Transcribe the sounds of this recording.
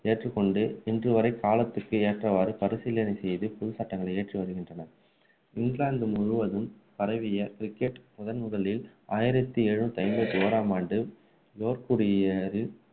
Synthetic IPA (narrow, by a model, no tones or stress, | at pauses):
eːʈrɯkːɔɳɖɯɛndrɯʋɐɾɐɪkːaːlɐt̪ːɯkːɯeːʈrɐʋaːɾɯpɐɾɯsɪlːɐnɐɪsɛjðɯpɔðɯsaʈːɐŋɡɐɭɐɪeːʈriʋɐɾɯɣɪndrɐnɐ | ɪŋɡɭaːnd̪ɯmʊɻɯʋɐðɯmpɐɾɐʋɪjɐkɾɪkːɛʈmʊðɐnmʊðɐɭɪl | ʔaːjɪɾɐt̪ːieːɻɯt̪ːɐɪmbɐt̪ːioːɾaːmaːɳɖɯ | joːɾkuɽɪjɐɾɪ